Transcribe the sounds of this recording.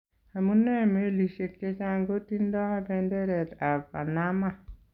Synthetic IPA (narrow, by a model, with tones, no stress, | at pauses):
a˨munːe˦me˦li˨ʃe˨k̚t͡ʃe˦t͡ʃaŋɡo˦tindɔ˦habɛndeɾɛta˨pa˨nama